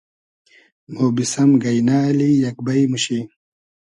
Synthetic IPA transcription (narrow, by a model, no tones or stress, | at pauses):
m̤obisɐmɡɐjnaːlijɐk̚bɐjmuɕi